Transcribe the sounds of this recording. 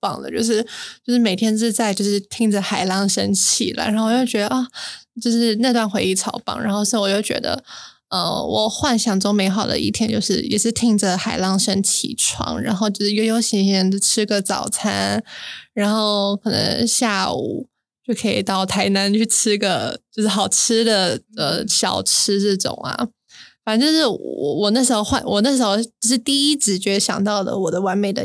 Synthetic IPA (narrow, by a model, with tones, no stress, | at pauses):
pɑ˨˩ŋd̪ə̰˩t͡ɕjo˥˧ʊʂ̬ɻ̩˥˧t͡ɕjo˥˧ʊʂɻ̩˥˩me˨˩t̪ʰjɛ˥nt͡sɻ̩˥˧t͡sa˥˧ɪt͡ɕjo˥˧ʊʂɻ̩˥˩t̪ʰi˥ŋʈ͡ʂə˨xa˨˩ɪlɑ˥˧ŋʂə˥nt͡ɕʰḭ˨˩lə̰˧˩˥wɔ˨˩jo˥˩ʊt͡ɕɥɛ˧˥d̪ə˧ʔa˥˩t͡ɕjo˥˧ʂɻ̩˥˧na˥˧t̪wa˥˩nxwe˧˥ɪi˥˩t͡sʰɑ˧˥ʊpɑ̰˨˩ŋɻa̰˧˥nxo˥˧ʊʂɻ̩˥˩wɔ˨˩jo˥˩ʊt͡ɕɥɛ̰˧˥d̪ə̰˧ | ə̰˧˩wɔ˨˩xwa˥˧nɕjɑ˥˩ŋt͡so˥ŋme˧˥ɪxɑ˨˩ʊd̪ə̰˦ʔi˥˩t̪ʰjɛ˧˥nt͡ɕjo˥˧ʊʂɻ̩˥˩jɛ̰˨˩ʂɻ̩˥˧t̪ʰi˥ŋʈ͡ʂə˨xa˨˩ɪlɑ˥˩ŋʂə˥nt͡ɕʰḭ˨˩ʈ͡ʂʰwɑ̰˥ŋɻa̰˧˥nxo˥˧ʊt͡ɕjo˥˧ʊʂɻ̩˥˩jo˧˥ʊjo˧˥ʊɕi˧˥ŋɕɛ˥n˧ʈ͡ʂʰɻ̩˥ɡə˨t͡sɑ̰˨˩ʊt͡sʰa˥nɻa˧˥nxo˥˧ʊkʰɤ˨˩nɤ̰˧˥ŋɕja˥˩ṵ˨˩˦ | t͡ɕjo˥˩ʊkʰɤ˧˥ḭ˨˩t̪ɑ˥˩ʊt̪ʰa˧˥ɪna˧˥nt͡ɕʰy˥˩ʈ͡ʂ̩ʰ˥ɡə˨˧t͡ɕjo˥˧ʊʂɻ̩˥˩xɑ˨˩ʊʈ͡ʂ̩ʰ˥d̪ə˨ə˧ɕjɑ̰˨˩ʊʈ͡ʂ̩ʰ˥ʈ͡ʂ̩˥˩ʈ͡ʂʊ̰˨˩˦ŋɐ̰˩ | fa˨˩˦nʈ͡ʂjo˥˧ʂɻ̩˥˩wwɔ̰˨˩wɔ˨˩na˥˩ʂɻ̩˧˥xo˧ʊxwa˥˩nwʔɔ˨˩na˥˩ʂ̬̩˧˥xo˥˧ʊt͡ɕʂɻ̩˥˧t̪i˥˩i˥ʈ͡ʂɻ̩˧˩t͡ɕɛ˧˥˧ɕjɑ̰˨˩ŋt̪ɑ˥˩ʊd̪ə̰˩wɔ˨˩d̪ə˦wa˧˥nme˨˩ɪd̪ə̰˧